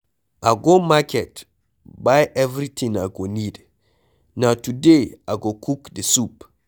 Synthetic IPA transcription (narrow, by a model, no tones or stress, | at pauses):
ʔaɡomakɛt | bajʔɛvɾitʰĩŋaɡonid | nawtudeʔaɡokʰukdesup